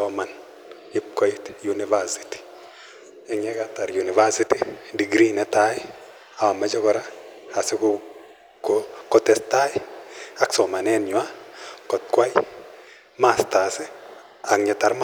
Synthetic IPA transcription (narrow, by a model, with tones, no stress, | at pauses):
ɔma˨n | ɪp̚ko˦itjunivaɾsi̥ti̥ | ɛ˨ŋɛ˦kata˨ɾjuni˨vaɾsitidi˨ɡɾinɛ˦tajɪ˦ | awa˨ma˦d͡ʒɔkɔ˨ɾa˦a˨sɪ˦ku | kokɔtɛ˨sta˦jɪaksɔ˨ma˨nɛnɲwa˦kɔ˨t̚kwa˦j | masta˨sɪ˦ | a˨kɲɛ˨ta˨ɾm